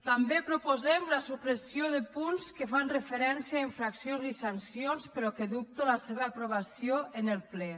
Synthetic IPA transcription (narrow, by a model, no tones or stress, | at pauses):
t̪ambepɾupozɛmlasukɾesjoðəpunskəfanrefeɾɛnsjaeɱfɾaksionzisansjonspəɾɔkeðup̚t̪olaseβaːpɾoβasioʔenəlˠplɛ